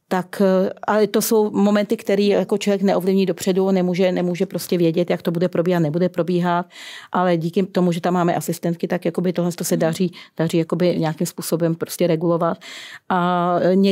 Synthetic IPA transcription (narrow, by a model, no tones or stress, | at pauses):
t̪akʔalɛt̪o̞so̞wmo̞mɛnt̪ɪkt̪ɛɾiːjjako̞t͡ʃovjɛknɛʔovlɪvɲiːdopr̝̥ɛdunɛmuːʒɛnɛmuːʒɛpɾo̞scɛvjɛɟɛt̪jakt̪obudɛpɾobiːɦat̪nɛbudɛpɾobiːɦat̪̚ʔalɛɟiːkɪt̪omuʒɛt̪amːaːmɛʔasɪst̪ɛnt̪kɪt̪akjako̞bɪt̪oɦlɛnst̪o̞sɛdar̝iːd̥ariːjako̞bɪɲaakimspuːso̞bɛmpɾoscɛɾɛɡulo̞vat̪̚ʔaɲɛ